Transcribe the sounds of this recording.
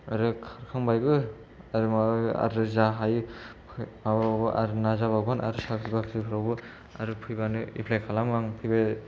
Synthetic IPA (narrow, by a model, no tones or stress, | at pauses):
aɾɯkʰaɾkʰaŋbajɡɯ | aɾɯmaa̰ɾɯzaɦajpʰmababɯʔa̰ɾɯnazaβaɡɔnʔa̰ɾɯsaksibakʰsipʰɯɾawbɯ | a̰ɾɯpʰɯjbanɯḭpʰlajkʰalaŋmaŋpʰɯjba